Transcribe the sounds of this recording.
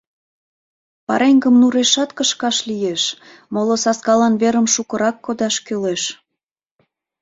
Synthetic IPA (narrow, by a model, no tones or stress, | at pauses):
pɑ̰ɾeŋɡəmnuɾeʃɑt̪kəʃkɑʃlijeʃmolosɑskɑlɑnβeɾəmʃukəɾɑkːod̪ɑʃkøleʃ